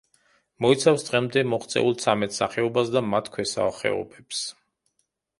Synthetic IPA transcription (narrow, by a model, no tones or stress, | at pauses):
mɔit̪sʰafsd̪ʁɛmd̪ɛmɔχt̪sʼɛ̰ulˠt̪sʰamɛt̪ʰsaχɛɔbasd̪amat̪ʰkʰwɛsa̰χɛ̰ɔ̰bɛps